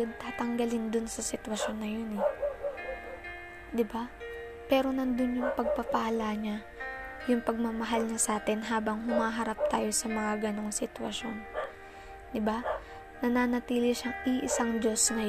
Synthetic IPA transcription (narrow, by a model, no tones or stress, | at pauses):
ɐnt̪aːt̪ɐŋɡɐlɪnd̪ʊnsɐsɪt̪wɐʃo̞nːɐjo̞nɛ | d̪ɪba | pɛːɾo̞nɐnd̪onjʊŋpɐɡ̚pɐpɐalaɲa | jʊŋpɐɡ̚mamɐɦalɲasaːt̪ɛnɦaːbɐŋhʊmaːɦɐɾap̚t̪aːjo̞sɐmɐŋaɡɐno̞ŋsɪt̪wɐ̰ʃo̞n | d̪ɪba | nɐnaːnɐt̪iːlɪʃɐŋʔiʔɪsaŋd͡ʒo̞sŋɐ